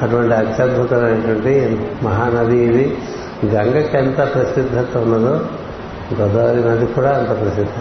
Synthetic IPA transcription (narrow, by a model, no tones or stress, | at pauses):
ɐʈuʋɐɳʈiɐt̪ːjaːd̪̚bʱut̪ɐnɐnːeɐʈuʋɐɳʈimɐɦaːnɐd̪ʱiːd̪i | ɡɐŋɡɐkent̪ɐpɾɐsid̪ʱːɐt̪ɐunːɐd̪oː | ɡod̪aɐɾinɐd̪ikuːɽaːɐnt̪ɐpɐɾɐsid̪ʱːɐ